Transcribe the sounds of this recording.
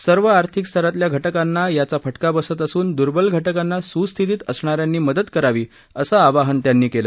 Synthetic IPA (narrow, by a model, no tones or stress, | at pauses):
səɾʋəaɾt̪ʰikst̪ʰəɾat̪ljaɡʱəʈəkanːajat͡safəʈkabəsət̪əsuːnd̪uɾbəlɡʱəʈəkanːasust̪ʰit̪iːt̪əsɳ̃aɾjanːiːməd̪ət̪kəɾaʋiː | əsaːʋaɦənt̪janːiːkeləː